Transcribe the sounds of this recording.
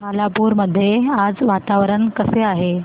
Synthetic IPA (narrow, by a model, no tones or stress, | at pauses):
malapuɾməd̪ʱːjead͡zʋat̪aʋɾəɳkəseaɦe